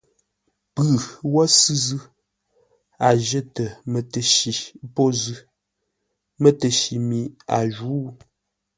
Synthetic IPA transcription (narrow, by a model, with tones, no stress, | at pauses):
pʉ˨wɔ˦sʉ˦zʉ˦ | a˨ʒə˦tə˨mə˨tə˨ʃi˨po˦zʉ˦ | mə˦tə˨ʃi˨mi˨a̰˨ʒu˨˦